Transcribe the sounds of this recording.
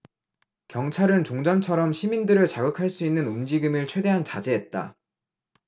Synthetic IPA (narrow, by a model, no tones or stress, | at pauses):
kjʌŋt͡ɕʰaɾɯnt͡ɕoŋd͡ʑʌnt͡ɕʰʌɾʌmɕʰimindɯɾɯɭt͡ɕaɡɯkʰaɭs͈uinːɯnumd͡ʑiɡɯmɯɭt͡ɕʰwe̞de̞ɦant͡ɕad͡ʑe̞ɦet̚t͈a̰